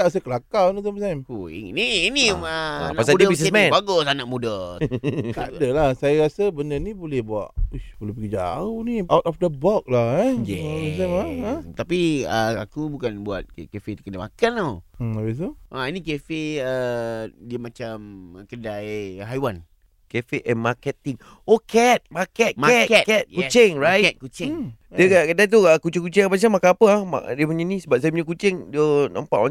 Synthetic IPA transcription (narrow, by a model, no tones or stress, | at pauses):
aʔas̬akəlakanut̪̬əpəsajmṵniiniəa̰napasadbissmɛ̃baɡʊsanaʔmudə | k̪adəlahsajaɾasəbəndənibolɛhbua̰ʔubəlupəɡəd͡ʒa̰uniʔawt̪ɔfdəbɔk̚laaj̬amaət̪apiəakubukanbuat̪̚kefet̪kədamakanoais̬uʔainikefeədiəmat͡ʃamkədajɦajwan | kɛfeʔɛ̃nmakɛt̪iŋ | okɛt̪̚makɛt̪̚maɛt̪ɛt̪kɛt̪̚ut͡ʃɪŋɹajɛt̪̚kut͡ʃɪŋ | diəkakədajt̪̬uəkut͡ʃɪŋkut͡ʃɪŋapas̬amakaapəahma̰diəpuɲanĩsəbap̚sapuɲakut͡ʃɪŋdiənã̰mpa̰ʔwa̰